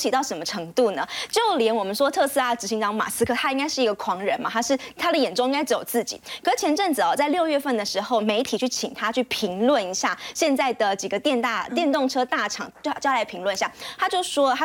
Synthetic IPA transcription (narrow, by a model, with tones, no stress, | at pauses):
t͡ɕʰi˨˩t̪ɑ˥˩ʊʂə˧˦˥mə˧ʈ͡ʂʰɤ˧˥ŋt̪u˥˩nə˩t͡ɕjo˥˩ʊljɛ˧˥nwɔ˨˩mə˦nʂwɔ˥t̪ʰɤ˥˧sɹ̩˥˩a˩ʈ͡ʂɻ̩˧˥ɕi˧˥ŋʈ͡ʂɑ˧˥ŋma̰˨˩sɹ̩˥kʰɤ˥˩t̪ʰa˥i˥ŋka˥ɪʂɻ̩˥˩i˧˥ɡə˨kʰwɑ˧˥ŋɻə˧˥nma˨˩t̪ʰa˥ʂɻ̩˥˩t̪ʰa˥d̪ə˨jɛ˨˩nʈ͡ʂo˥ʊ̃ĩ˥ŋka˥ɪʈ͡ʂ̩˥jo̰˨˩t͡sɹ̩˥˩t͡ɕḭ˨˩˦kʰɤ˧˩˥t͡ɕʰjɛ˧˥nʈ͡ʂə˥˩ŋt͡sɹ̩˨˩ɔ˩t͡sa˥ɪljo˥˧ʊɥɛ˥˧fə˥˩nd̪ə˩ʂɻ̩˧˥xo˥˩ʊme˧˥ɪt̪ʰi˨˩t͡ɕʰy˥˩t͡ɕʰi˨˩ŋt̪ʰa˥t͡ɕʰy˥˩pʰi˧˥ŋlwə˥˨˩ni˧˥ɕja˥˩ɕjɛ˥˧nt͡sa˥˩ɪd̪ə˩t͡ɕi˨˩ɡə˦t̪jɛ˥˧nt̪a˥˩t̪jɛ˥˧nt̪o˥˩ŋʈ͡ʂʰɤ˥t̪a˥˩ʈ͡ʂʰɑ˨˩˦ŋ˥˩t͡ɕjla˧˥ɪpʰi˧˥ŋlwə˥˩ni˧˩ɕja˥˨t̪ʰa˥t͡ɕjo˥˩ʊʂwɔ˥t̪ʰa˥